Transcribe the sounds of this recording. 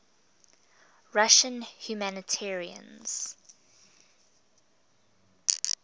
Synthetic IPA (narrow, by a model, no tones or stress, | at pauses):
ɹaʃə̃nhjumænətʰɛɹiə̰̃nz̥